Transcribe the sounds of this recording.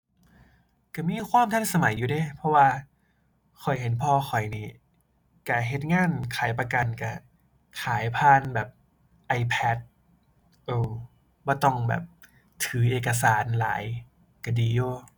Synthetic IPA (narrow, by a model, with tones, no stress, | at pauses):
ka˧˩miː˧˥˨kʰwaː˧˥˨mt̪ʰa˧˥˨nsa˧ma˩˦jːuː˨˧de˧˥˨pʰɔ˧waː˧ | kʰɔ˨˩jɦe˨˦npʰɔː˧xʰɔ˨˩jniː˧˩ | ka˧˩ɦe˧˦t̪̚ŋaː˧˥˨nkʰaː˨˩˦jpa˧ka˧˩nka˧˩ | kʰaː˨˩˦jpʰaː˧˥˨nbɛː˨˩p̚ | ʔa˧˩jpʰɛ˧˦˥t̪̚ | ʔɤː˧˩w | bɔː˧˩t̪ɔ˧˩ŋbɛ̰ː˨˩p̚ | t̪ʰɯː˩˦ʔeː˨˩ka˧s̬aː˩˦nla̰ː˨˩˦j | ka˧˩diː˧˩joː˧˩